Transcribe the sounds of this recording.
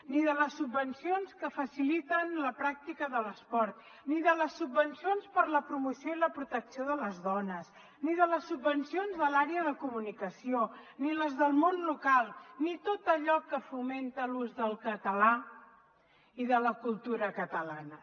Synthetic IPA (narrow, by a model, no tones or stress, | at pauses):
niðələsːubbənsionskəfəsilit̪ənləpɾak̚t̪ikəðələspɔɾt̪ | niðələsːubːənsionspəɾləpɾumusioiləpɾut̪əksioðələzðɔnəs | niðələsːubːənsionzðəlaɾeəðəkumunikəsioniləzðəlˠmonlukalˠnit̪ot̪əʎɔkːəfument̪əluzðəlˠkət̪əla | iðələkulˠt̪uɾəkət̪əlanə